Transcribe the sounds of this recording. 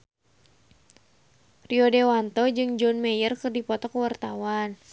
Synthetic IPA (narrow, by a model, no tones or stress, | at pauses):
riɔdewant̪ɔd͡ʒɨŋd͡ʒɔnmɛjərkɨrdipɔt̪ɔkəwart̪awan